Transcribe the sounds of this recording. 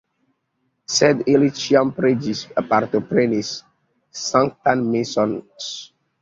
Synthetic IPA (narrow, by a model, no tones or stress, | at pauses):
sɛdilit͡ʃiãmpɾed͡ʒisapaɾt̪opɾenisː | ãŋktãnmisɔ̃ns